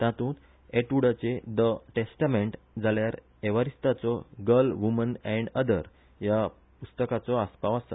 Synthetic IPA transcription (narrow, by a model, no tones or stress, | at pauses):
t̪ãt̪ũːt̪ | eʈuɽat͡sed̪əʈesʈameɳʈ | d͡zaljaɾ | eʋaɾist̪at͡sɔɡəlʋumənɛ̃ɳɖəd̪əɾ | ja | pust̪əkat͡sɔaspaʋast̪ə